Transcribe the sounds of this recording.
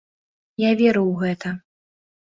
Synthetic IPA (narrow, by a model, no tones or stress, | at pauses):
javʲɛɾɨwɣɛt̪ɐ